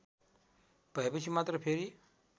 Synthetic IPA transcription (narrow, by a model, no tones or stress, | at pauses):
pəɦbət͡ɕimat̪ɾəpʰeɾiː